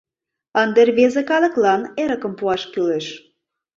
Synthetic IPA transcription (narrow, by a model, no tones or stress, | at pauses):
ənd̪erβezekɑlɤ̆klɑneɾəkə̆mpuɑʃkyleʃ